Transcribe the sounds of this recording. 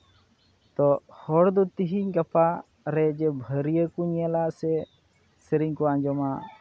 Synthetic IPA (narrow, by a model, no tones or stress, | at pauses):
t̪ɔhɔɽd̪ɔt̪iɦiɲɡapa | ɾɛd͡ʒɛbʱəɾijəkuɲalasɛ | sɛɾiɲkuaɲd͡ʒɔma